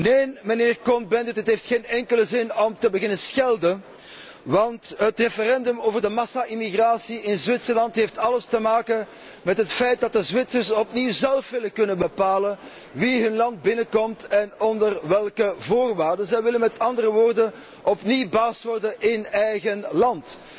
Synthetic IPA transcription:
neːnməneːrkɔnbɛndətətɦeftxeːnɛŋkələzɪnɔmtəbəɣɪnənsxɛlˠdən | ʋɑntɦətrefəɾɛndɵmoːvərdəmɑsaʔimiɣraːsiɪnzʋɪtsərlɑntɦeftɑləstəmaːkən | mɛtɦətfɛjt̚dɑtdəzʋɪtsərsɔpniwzɛlˠfʋɪləkɵnənbəpaːlən | ʋiɦɵnlɑnd̚bɪnəkɔmtɛnɔndərʋɛlˠkəvoːrʋaːrdənzɛjʋɪlənmɛtɑndərəʋoːrdən | ʔɔpniwbaːstʋɔrdənʔɪnɛjɣənlɑnt

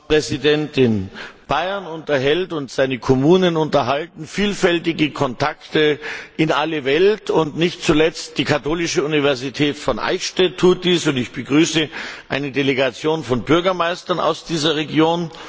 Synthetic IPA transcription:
pʁ̥ɛzidɛntɪnb̥aɪɐnʊntɐɦɛltʊntz̥aɪnəkʰɔmuːnənʊntɐɦaltn̩fiːlfɛltɪɡəkʰɔntʰaktəɪnaləvɛltʰʊntnɪçtt͡sulɛt͡std̥iːkʰatoːlɪʃəunivɛɐzitʰɛːtfɔnʔa̰ɪçʃtɛtʰːuːt̚d̥iːsʊntɪçb̥əɡʁyːsəʔaɪnədeleɡat͡sjoːnfɔnbʏɐɡɐmaɪstɐna̰ʊsd̥iːzɐʁeɡjoːn

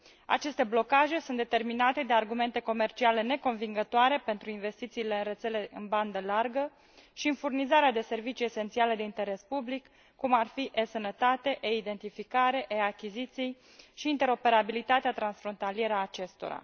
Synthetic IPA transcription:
a̰t͡ʃe̞st̪e̞blo̞kaʒe̞sunt̪d̪e̞t̪erminat̪e̞d̪e̞arɡume̞nt̪e̞ko̞me̞rt͡ʃiale̞ne̞ko̞nviŋɡət̪oaɾe̞pe̞nt̪ɾuinve̞st̪it̪siːle̞ɨnre̞t̪se̞le̞ʔɨnband̪əlarɡə | ʃiɨnfurnizaɾead̪e̞se̞rvit͡ʃije̞se̞nt̪siale̞d̪eint̪e̞ɾe̞spublikː | umarfiʔesənət̪at̪eʔeid̪e̞nt̪ifikaɾe̞ʔeakʲizit̪sij | ʃiːnt̪e̞ɾo̞pe̞ɾabilit̪at̪eat̪ɾansfɾo̞nt̪alije̞ɾəaːt͡ʃe̞st̪o̰ɾa̰

